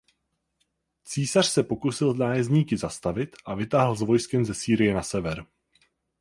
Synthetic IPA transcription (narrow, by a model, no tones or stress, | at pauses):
t͡siːsar̥sɛpo̞kusɪlznaːjɛzɲiːkɪzast̪avɪt̪ʔavɪt̪aːɦl̩zvo̞jskɛmzɛsiːɾɪjɛnasɛvɛɾ